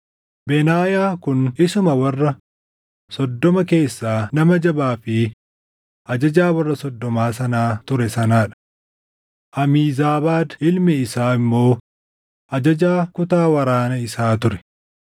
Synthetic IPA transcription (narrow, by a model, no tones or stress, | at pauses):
bɛnaːjaːkʊnɪsʊmɐwɐrːɐ | sɔd̪ːɔmɐke̞ːsːaːnɐmɐd͡ʒɐbaːfɪ | ʔɐd͡ʒɐd͡ʒaːwɐrːɐsɔd̪ːɔmaːsɐnaːt̪ʊɾɛsɐnaːᶑɐ̥ | ʔɐmiːzaːbaːd̪ɪlmɛɪsaːɪmːo̞ː | ʔɐd͡ʒɐd͡ʒaːkʊt̪aːwɐɾaːnɐɪsaːt̪ʊɾɛ̥